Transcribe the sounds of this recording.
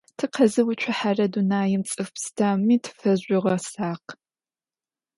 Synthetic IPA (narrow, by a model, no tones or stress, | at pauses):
tʰɨqʰɐzɨwʊt͡ʃʷʰʊħarɐdunaːjɪmt͡sʼɨfpstʰaːmiːtʰfɐʑʷʼɪʁɐsaːq